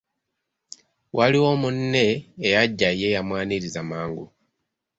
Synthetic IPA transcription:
wʔaliwo̞munːe̞ːjaɟːaije̞jamwaːniɾizamaːŋɡṵ

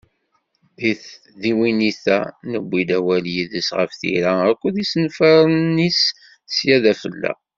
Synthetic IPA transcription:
ðiθ | ðiwiniθæ̰nəbʷːid̪æwæljiðəsʁə̰fθḭɾæækʷːuðisnfəɾˤnːis | sjæðæfə̰lːæ̰

